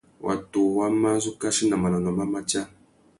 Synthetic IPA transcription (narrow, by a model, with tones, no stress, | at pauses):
wʔa̰˨tu˨wa˦ma˦zu˦ka˦ʃi˦na˨ma˨na˨nɔ˨ma˦ma˦t͡ʃa˦